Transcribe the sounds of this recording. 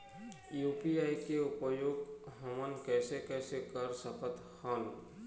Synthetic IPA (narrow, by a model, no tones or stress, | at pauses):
juːpiaːikeʊpəjoːɡɦomənkɛːsekɛːsekəɾsəpʰət̪ | haːl